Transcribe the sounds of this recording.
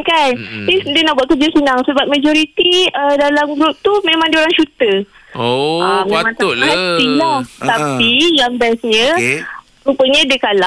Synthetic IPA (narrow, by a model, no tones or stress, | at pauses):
kandidiənahbuat̪ʔ̚kəd͡ʒəsənaŋsəbap̚mad͡ʒɔɾit̪iədalamɡɾup̚t̪umẽmãŋdioɾaŋʃut̪ə | əmemãŋt̪at̪ilat̪apijaŋbaasɲə̃ | upəɲədəkala